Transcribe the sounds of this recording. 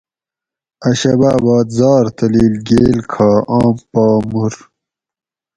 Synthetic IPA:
ɐɕɐbaːbɑːd̪zɑːɾt̪ɐliːlɡeːlkʰaːaːmpɑːmuɾ

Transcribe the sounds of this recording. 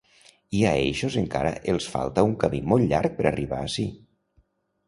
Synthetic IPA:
iaeʃozeŋka̰ɾə̰ʔelˠsfa̰lˠt̪auŋkamimolˠʎaɾk̚pəɾariβ̞aːsi

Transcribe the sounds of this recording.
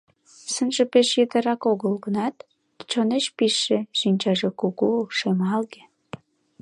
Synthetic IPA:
sənʒepeʃjət̪ə̆ɾɑkoɣəlɡənɑt̪ | t͡ɕoneʃpiʃːeʃinʲt͡ɕɑʒekuɣuʃemɑlɣe

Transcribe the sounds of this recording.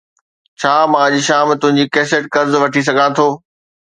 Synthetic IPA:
t͡ɕʰaːmãːʄiːʃaːmt̪ʊ̃ɦɪ̃ɲd͡ʑikɛːseʈ̚kɐɾzʋɐʈʰis̬ɐɡʱãt̪ʰoː

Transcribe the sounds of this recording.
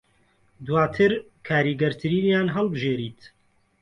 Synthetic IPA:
d̪waːt̪ʰɨɾ | kʰaːɾiːɡɛɾt̪ʰɨɾiːnjaːnɦɛlbɨʒeːɾiːt̪

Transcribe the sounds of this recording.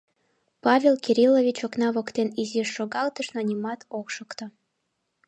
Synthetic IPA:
pɑvʲelkiɾʲilovʲit͡ɕoknɑβokt̪eniziʃːoɣɑlt̪əʃnonʲimɑt̪ʰokʃokt̪ŏ

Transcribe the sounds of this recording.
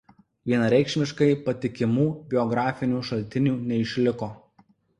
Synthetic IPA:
ʋʲiɛnɐɾʲɛɪkʃʲmʲɪʃkɐɪpɐt̪ʲɪkʲɪmuːbʲɪɔɡɾɑːfʲɪnʲuːʃɐlʲt̪ʲɪnʲuːnʲɛɪʃʲlʲɪkoː

